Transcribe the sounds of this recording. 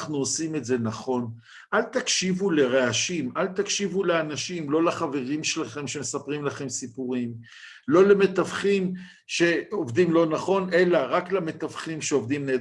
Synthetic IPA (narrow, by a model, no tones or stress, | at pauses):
χnuosime̞tze̞naχo̞n | ʔalt̪akʃivuleʁeaʃimʔalt̪akʃivuleanaʃimlo̞laχave̞ʁimʃelaχe̞mʃemesapʁimlaχe̞msipuʁim | lo̞leme̞t̪avχim | ʃe̞o̞vdimlo̞naχo̞ne̞laʁaklame̞t̪avχimʃeovd̪imne